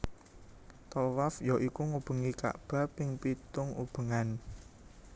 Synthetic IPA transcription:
t̪ɔwafjɔʔikuŋub̥ə̤ŋika̰ʔb̥a̤pɪŋpit̪ʊŋṵb̥ə̤ŋan

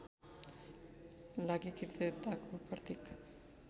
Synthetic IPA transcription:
laɡikiɾt̪et̪akupaɾt̪ik

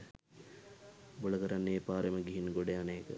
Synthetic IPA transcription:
boləkəɾanːeːpaːɾeməɡiɦinɡoɖeaneːkə̰

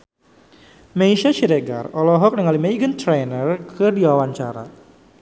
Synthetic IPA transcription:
meiʃat͡ʃiɾeɡa̰rɔlɔɦɔk̚nəŋalimeiɡənt̪ɾenərkɨrdiwawaɲt͡ʃaɾa̰

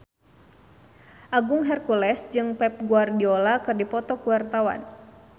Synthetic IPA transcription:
ʔaɡʊŋɦɛrkulɛsd͡ʒɨŋpɛp̚ɡuardiolakɨrdipɔt̪ɔkuwart̪awa̰n

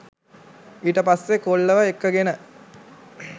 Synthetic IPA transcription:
iːʈəpasːekoɭːəʋəekːəɡenə

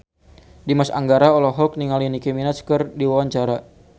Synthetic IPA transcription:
dimasa̰ŋɡaɾaɔlɔɦɔk̚niŋalinikeminat̪skərdiwawaɲt͡ʃaɾa

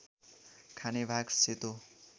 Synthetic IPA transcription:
kʰanebʱaɡset̪o

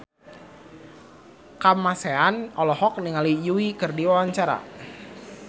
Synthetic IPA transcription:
kamaseanɔlɔhɔk̚niŋalijuwikərdiwawaɲt͡ʃaɾa̰

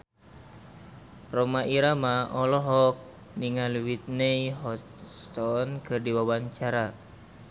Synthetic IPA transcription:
rɔmaʔiɾamaɔlɔɦɔk̚ | niŋaluwit̪̚nejɦɔt | st̪ɔnkɨrdiwawaɲt͡ʃaɾa

